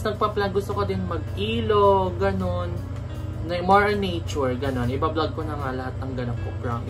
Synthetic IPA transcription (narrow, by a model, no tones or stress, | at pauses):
snɐɡ̚pɐplaɡʊst̪okɐd̪ɪnmɐɡ̚ʔiːloɡɐno̞nː | ɐmoɹɐnːejt͡ʃʊɹɡɐno̞nʔɪbablaɡ̚konɐŋalɐhat̪̚nɐŋɡɐnɐpːopɹamɪ